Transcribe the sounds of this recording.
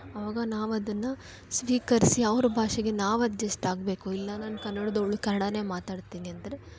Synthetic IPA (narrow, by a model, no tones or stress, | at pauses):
ɐʋaːɡɐnaːʋɐd̪ɐnːɐ | sʋiːkɐɾisiɐʋɾɐbʱaːʂɐɡe̞naːʋɐd̪d͡ʒesʈaːɡbe̞ːkuilːɐnaːnɐkɐnːɐɽɐd̪oɭːukɐnɐɽɐne̞ːmaːt̪aːɽt̪iːniɐnd̪ɐɾe̞